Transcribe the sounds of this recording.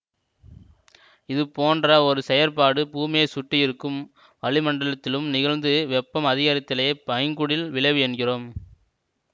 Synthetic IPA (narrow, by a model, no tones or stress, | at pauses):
ɪðɯpoːndrɐɔɾɯsɛjɐɾpaːɽɯpuːmɪjesʊʈːɪjɪɾɯkːɯm | ʋɐɭɪmɐɳɖɐɭɐt̪ːɪlɯmnɪɣɐɻnd̪ɯʋɛpːɐmɐðɪɣaːɾɐt̪ːɪleːpɐjɐŋɡʊɽɪlʋɪɭɐɪʋɯɛnɣɪroːm